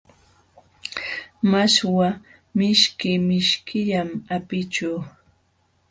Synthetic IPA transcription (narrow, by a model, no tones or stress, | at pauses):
maswa | mɪʃkɪmɪʃkʰɪʎamapɪt͡ʃuw